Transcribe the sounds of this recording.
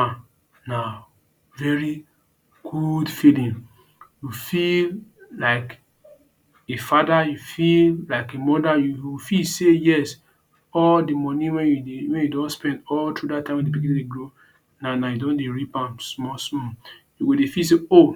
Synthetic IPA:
a | na | vɛɹi | ɡ̥udfilĩŋ | jufillaɪk | efadajufillaɪkemɔdajujwifilsejɛs | ɔldimɔnĩwɛ̃njuwɛ̃njudɔ̃nspɛ̃ndɔltɹudatʰːãɪ̃mwɛ̃ndipikinĩdeɡɹo | nanajudɔ̃ndeɹipãmsmɔsmɔ̃mjuɡodefils̬eo

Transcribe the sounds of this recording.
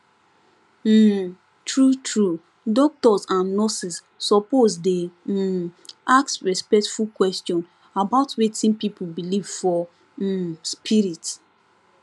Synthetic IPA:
tɹutʰɹu | dɔk̚tɔsãnːɔsisː | ɔposde | aksɹɛspɛktfulkwɛstɔ̃n | abaʊtwetĩnpipubilivfɔ | spʰiɾit

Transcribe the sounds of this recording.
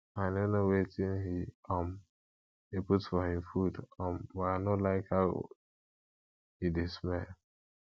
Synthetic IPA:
ãnenowetĩnhiɔm | eputfɔhimfudɔ̃mwɛanɔlaɪkhaʊ | hidesmɛl

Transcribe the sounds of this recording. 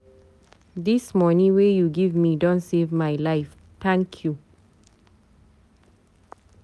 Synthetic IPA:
dismɔnĩwejuɡivmidɔ̃ntsevmaɪlaɪf | t̪ɛ̃ŋkʰju

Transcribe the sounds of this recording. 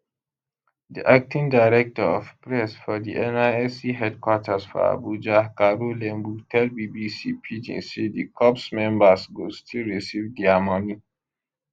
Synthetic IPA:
dḭʔak̚tĩndaɪɹɛk̚tɔɔvpɹɛsfɔdiʔɛ̃naɛsiɦɛd̚kwɔtasfɔ̰a̰bud͡ʒakaɾulɛ̃mbutʰɛlbibisipʰid͡ʒḭ̃nsidikʰɔpsmɛ̃mbasɡostʰilɹisivdiamani

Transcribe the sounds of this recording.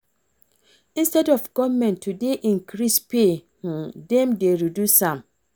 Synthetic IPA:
ĩnstɛdɔfɡɔvmɛ̃ntʰːudeʔĩŋkɾispe | h̩dɛ̃mdeɾidusãm

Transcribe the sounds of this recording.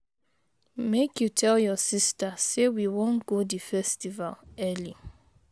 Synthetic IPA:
mekjutʰɛljɔsistasewiwõnɡ̥odifɛstivalɛli

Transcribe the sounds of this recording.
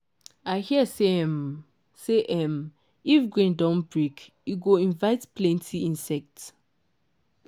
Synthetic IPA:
aɪhiəsem | seʔɛ̃m | ifɡĩndãnbɹikjuɡoĩnvaɪtplɛ̃ntʰiĩnsɛk̚t

